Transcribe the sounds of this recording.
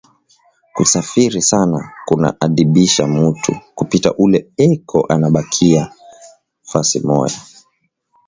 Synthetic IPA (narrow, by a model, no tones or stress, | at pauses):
kṵsafiɾisanakuna̰ʔaɗiɓiʃamutʰukupita̰ʔulɛɛkʰɔʔanaɓakʰia | fasimɔ̰ja